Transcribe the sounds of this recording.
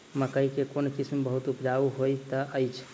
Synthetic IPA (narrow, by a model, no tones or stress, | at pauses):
məkəjkekonkismbəɦut̪upd͡ʒauɦojt̪əʔəjt͡ʃʰ